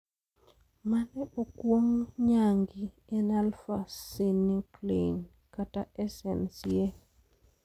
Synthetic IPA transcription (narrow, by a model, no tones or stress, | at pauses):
manɛokwoŋɲaŋɡi | ɛnalfaseniklḛn | kataʔɛsɛnsie